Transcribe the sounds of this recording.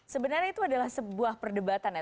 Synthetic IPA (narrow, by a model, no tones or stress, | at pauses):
səbənarɲait̪uadalahsəbuahpərdəbat̪ana